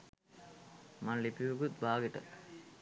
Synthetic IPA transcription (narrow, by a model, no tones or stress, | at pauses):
manlipiʋuɡut̪̚bʱaːɡeʈə̰